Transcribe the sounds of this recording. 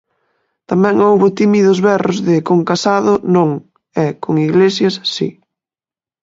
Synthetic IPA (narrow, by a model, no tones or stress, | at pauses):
t̪amɛ̃ŋowβʊt̪imiðʊzβɛrʊzðɪkoŋkasaðʊnõŋ | ɛkoŋiɣlesjasːḭ